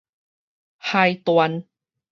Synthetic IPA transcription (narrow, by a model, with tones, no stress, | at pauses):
ha˧jt̪wa˧n